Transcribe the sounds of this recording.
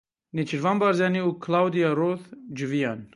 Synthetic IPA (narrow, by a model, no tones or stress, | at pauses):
nit͡ʃʰiɾvambaɾzjaniukʰlawd̪ijaɾoθd͡ʒɨvijan